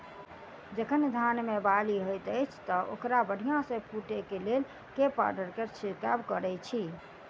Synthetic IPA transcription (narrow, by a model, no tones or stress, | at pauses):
d͡ʒəkʰənd̪ʱanmebaliɦojt̪əjt͡ʃʰt̪ɔʔo̰kɾabəɽ̤ʱijãsẽpʰuʈekelel | kepa̰ɾɖəɾkeɾt͡ʃʰikabkəɾɛt͡ʃʰi